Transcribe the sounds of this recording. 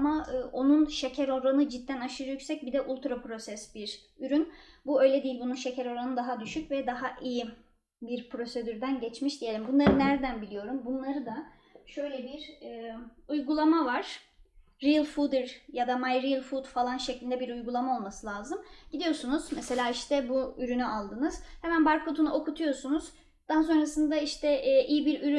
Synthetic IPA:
amaɯːʔo̞nunʃe̞cʰæɾo̞ɾanɯd͡ʒit̪ːænaʃɯɾjyksɛc̚bid̪ɛʔulˠt̪ɾapɾo̞sɛsbiɾ | yɾynbuø̞jlʲɛd̪ijilʲbununʃe̞cʰæɾo̞ɾanɯd̪aɦad̪yʃycvɛd̪aɦaʔiji | biɾpɾo̞se̞d̪yɾd̪ænɟɛt͡ʃmiʃd̪ije̞lʲimbunlˠaɾɯnæɾd̪ænbilʲijo̞ɾumbunlˠaɾɯd̪a | ʃø̞jlʲɛbiɾɛujɡulˠamavaɾ̥ː | ilʲˠfud̪ɯɾjad̪amajɾilʲˠfud̪falˠanʃeclʲind̪ɛbiɾujɡulˠamao̞lˠmasɯlʲˠaːzɯmɟid̪ijo̞sunuzmɛse̞lʲaːiʃt̪ʰɛbuyɾynyʔalˠd̪ɯnɯz̥hemænbaɾkʰo̞t̪ʰunuʔo̞kut̪ʰujo̞sunuz̥ | d̪̥ans̬o̞nɾasɯnd̪aiʃt̪ʰɛʔːʔijibiɾyɾy

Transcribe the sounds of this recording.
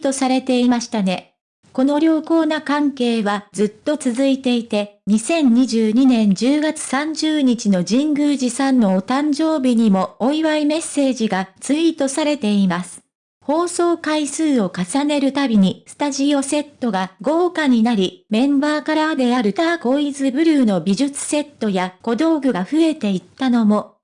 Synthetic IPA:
t̪o̞saɾe̞t̪e̞imaɕi̥t̪ane̞ | ko̞no̞ɾʲo̞ːko̞ːnakãŋke̞ːβad͡zɨt̪ːo̞t͡sɨzɨit̪e̞it̪e̞ɲ̟isẽ̞ɲ̟ɲiʑɨːɲ̟inẽ̞ɲ̟d͡ʑɨːɡat͡sɨ̥sãɲ̟d͡ʑɨːɲ̟it͡ɕino̞d͡ʑĩŋɡɯ̟ːʑisãnːo̞ːt̪ãɲd͡ʑo̞ːbʲiɲ̟imo̞ːiβaime̞sːe̞ːʑiɡat͡sɨit̪o̞saɾe̞t̪e̞imasɨ̥ | ho̞ːso̞ːkaisɨːo̞kasane̞ɾɯ̟t̪abʲiɲ̟isɨ̥t̪aʑio̞se̞t̪ːo̞ɡaɡo̞ːkaɲ̟inaɾʲimẽ̞mbaːkaɾad̪e̞aɾɯ̟t̪ako̞izɨbɯ̟ɾɯ̟ːno̞bʲiʑɨt͡sɨ̥se̞t̪ːo̞jako̞d̪o̞ːɡɯ̟ɡaɸɯ̟e̞t̪e̞it̪ːano̞mo̞

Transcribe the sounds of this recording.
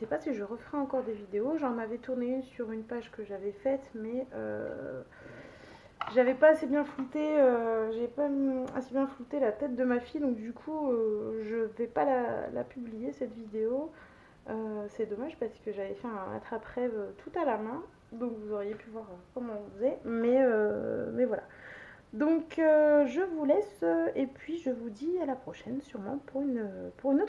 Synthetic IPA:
əsɛpasiʒəʁəfʁɛɑ̃kɔʁd̪evid̪eoʒɑ̃navɛt̪uʁneynsyʁynpaʒkəʒavɛfɛt̪mɛø̰ | ʒavɛpaːsebjɛ̃flut̪eøʒavɛpaa̰sebjɛ̃flut̪elat̪ɛt̪̚d̪əmafid̪ɔ̃kd̪ykʰuøʒəvɛpalala̰pyblijesɛt̪vid̪eo | øsɛd̪ɔmaʒpaʁsə̥kəʒavɛfɛɛ̃a̰t̪χapχɛvøt̪ʰut̪alamɛ̃ | d̪ɔ̃kvuzɔʁjepyvwaʁøkɔmɑ̃ɔ̃fəzɛmɛømɛvwala̰ | d̪ɔ̃køʒəvulɛsøepɥiʒəvud̪ialapχɔʃɛnsyʁmɑ̰̃puʁynøpuʁynot̪

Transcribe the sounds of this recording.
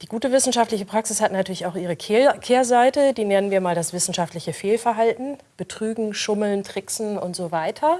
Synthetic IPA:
d̥iːɡuːtəvɪsn̩ʃaftlɪçəpʁ̥aksɪshatnatʰyːɐlɪçaʊʔiːʁ̞əkʰkʰeːɐzaɪtədiːnɛnənviːɐmaːldasv̥ɪsn̩ʃaftlɪçəfeːlfɛɐɦaltn̩ | b̥ətʁ̥yːɡŋ̩ʃʊml̩ntʁ̥ɪksn̩ʊntz̥ovaɪtʰɐ

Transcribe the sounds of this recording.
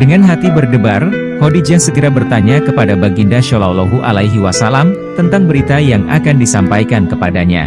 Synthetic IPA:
dəŋanɦat̪ibərdəbar | kodid͡ʒaŋsəkiɾabərt̪aɲakəpadabaɡindaʃɔlawloɦuʔa̰laiɦiwasalam | t̪ənt̪aŋbəɾit̪ajaŋa̰kandisampajkankəpadaɲa̰

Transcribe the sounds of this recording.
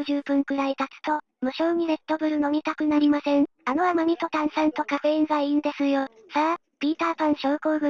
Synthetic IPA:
ʑɨːpɯ̟̃ŋkɯ̟ɾait̪at͡sɨ̥t̪o̞ | mɯ̟ɕo̞ːɲ̟iɾe̞t̪ːo̞bɯ̟ɾɯ̟no̞mʲit̪akɯ̟naɾʲimasẽ̞ŋano̞amaɲ̟ʲit̪o̞t̪ãɰ̃sãnt̪o̞kaɸeizaĩnd̪e̞sɨjo | sa | pʲiːt̪aːpãɰ̃ɕo̞ːko̞ːɡɯ̟

